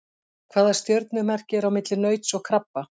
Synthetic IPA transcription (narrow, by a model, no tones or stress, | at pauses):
kʰvaːðḁst̪jœɾt̪̚nʏmɛr̥cɪɾawmɪt̪lɪnœːɥt̪sɔɣkʰɾapːa